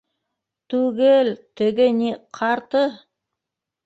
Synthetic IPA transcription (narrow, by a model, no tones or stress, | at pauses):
t̪ʉɡɘlt̪ɘ̆ɡɘniqʰɑɾt̪ɤ